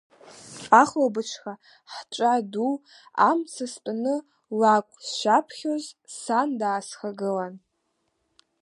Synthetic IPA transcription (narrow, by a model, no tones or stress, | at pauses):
aχlobɨʈ͡ʂʷʰχa | ħt͡ʃʷʼadu | a̰msɨstʼanɨ | lakʷʼsʃʷapʰχʲozsandaːsχaɡɨlan